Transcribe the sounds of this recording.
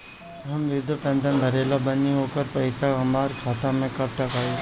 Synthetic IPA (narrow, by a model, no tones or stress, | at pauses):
ɐmʋɪd̪ʱəpɛ̃ːnd̪ənbʱəɾeːlabəniɦoːkəɾpɐɪsaɐmaːɾkʰaːt̪amẽkɐp̚ʈɐkaːi